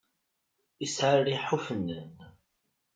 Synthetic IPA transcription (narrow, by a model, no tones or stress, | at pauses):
isʕaɾiħufənːən